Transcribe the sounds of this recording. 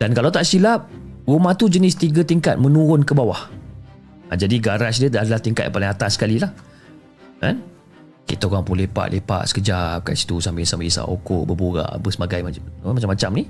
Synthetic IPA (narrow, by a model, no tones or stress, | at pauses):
d̥ankalawt̪aʔsilap̚rumaht̪ud͡ʒənɪst̪iɡət̪iŋkat̪̚mə̃nuɾʊnkəbawah | ʔad͡ʒadiɡaɾasdədaadalaht̪iŋka̰t̪ʔpalɪŋat̪asəkalilah | ka̰n | kḭt̪aoɣaŋpulepa̰ʔlʔepa̰ʔsə̥kəd͡ʒap̚ka̰si̥t̪usambilsambisa̰ʔo̰kɔʔbəbuɾa̰ʔbəsəmaɡajmamat͡ʃamːat͡ʃamni